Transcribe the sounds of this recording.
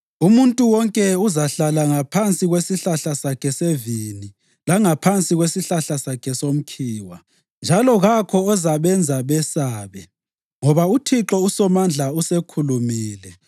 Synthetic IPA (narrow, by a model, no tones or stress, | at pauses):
umuntʼuwɔŋkʼɛuzaɬalaŋapʰant͡sʼiɣwesiɬaɬasakʰɛsevini | laŋapʰant͡sʼiɣwesiɬaɬasakʰɛsom̩kʰiːwa̰ | nd͡ʒʱalɔɣakʰɔːzaβɛnd͡zʱaβɛsaːβɛ | ŋɔβautʰiǁɔusɔmand͡ɮʱausekʰulumiːlɛ